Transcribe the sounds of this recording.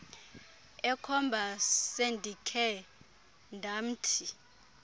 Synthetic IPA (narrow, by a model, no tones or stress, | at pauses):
ɛkʰɔmbʱasendʱikʰɛ | ndʱam̩ːtʰi